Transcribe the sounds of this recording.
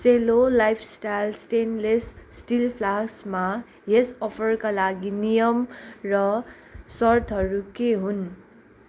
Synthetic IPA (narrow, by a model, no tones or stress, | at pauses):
selolajpʰsʈajlsʈenlessʈilpʰlasma | ɦesʌpʰʌrkalaɡinijʌmrʌ | sʌrt̪ʰɦʌɾukeɦun